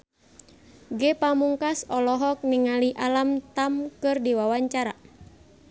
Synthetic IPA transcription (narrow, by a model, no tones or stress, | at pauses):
ɡɛpamuŋkasɔlɔɦɔk̚niŋaliʔalamt̪amkɨrdiwawaɲt͡ʃaɾa